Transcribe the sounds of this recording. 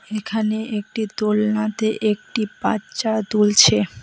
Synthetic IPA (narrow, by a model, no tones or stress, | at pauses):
ekʰaneek̚ʈit̪olnat̪eʔek̚ʈipa̰ɕad̪ult͡ɕʰe